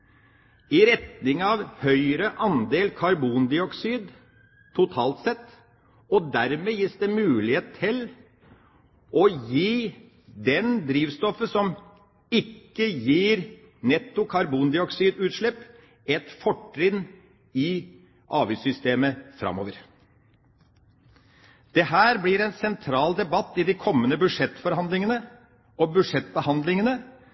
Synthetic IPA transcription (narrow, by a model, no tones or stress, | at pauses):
ɪɾɛt̪nɪŋɑʋhœʏɾəʔɑnd̪eːlkʰɑɾbuːnd̪ɪɔksiːd̪ | t̪ʰʊt̪ʰɑːlt̪sɛt̪ː | ɔd̪æɾmeːjiːsd̪ɛmʉːlɪheːt̪̩t̪ʰːɪl | ʔɔjiː | d̪ɛnd̪ɾiːʋst̪ɔfəsɔm | ɪkːəjiːɾ | nɛt̪ːʊkʰɑɾbuːnd̪ɪɔksiːd̪ʉːt̪ʂɭɛpː | ɛt̪fɔʈɾɪd̪ | ɪ | ʔɑːʋyːsʏst̪eːməfɾɑ̰mo̰ːʋəɾ | d̪̥ɛɦæːɾblɪɾɛnsɛnt̪ʰɾɑːld̪ɛbɑt̪ːɪd̪ɪkʰɔmːənəbʉʂɛt̪ːfɔɾhɑnd̪lɪŋənə | ɔbʉd̪ʂɛt̪̚ːbəhɑnd̪lɪŋənə